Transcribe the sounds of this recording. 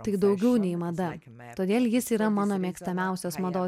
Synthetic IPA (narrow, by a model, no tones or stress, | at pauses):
t̪ɐɪd̪ɒʊɡʲɛʊnʲɛɪmɐd̪ɐ | t̪oːd̪ʲeːlʲˠjɪsiːɾɐmɑːnoːmʲeɛkst̪ɐmʲæˑʊsʲoːsmɐd̪oː